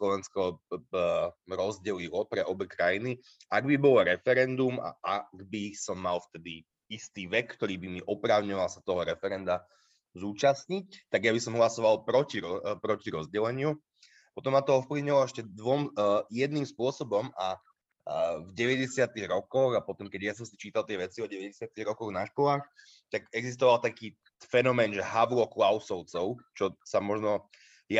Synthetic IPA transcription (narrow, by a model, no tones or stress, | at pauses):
slɔʋɛnskɔ | ɾɔzɟɛlilɔpɾɛʔɔbɛkɾajini | aɡbibɔlɾɛfɛɾɛnd̪uma̰ʔaɡbisɔmːalft̪ɛd̪i | ist̪iːʋɛkkːt̪ɔɾiːbimiʔɔpɾaːʊɲɔʋalˠsat̪ɔɦɔɾɛfɛɾɛnd̪a | zuːt͡ʃasɲic̚t̪aɡjabisɔmɦlasɔʋalpɾɔciɾɔpɾɔciɾɔzɟɛlɛɲɪu | pɔt̪ɔmːat̪ɔɔfpliʊɲilɔɛʃcɛd̪ʋɔmjɛd̪nimspʊɔsɔbɔma | vɟɛʋɛɟɛsɪat̪iɣɾɔkɔɣapɔt̪ɔmkɛɟjas̬ɔmsit͡ʃiːt̪alˠt̪ɪɛʋɛt͡siɔɟɛʋɛɟɛsɪat̪iɣɾɔkɔɣnaʃkɔlaːx | t̪aɡɛɡzist̪ɔʋalˠt̪akiː | fɛnɔmɛːnʒɛɦaʋlɔklaʊsɔʊt͡sɔʊt͡ʃɔsamɔʒnɔ | ja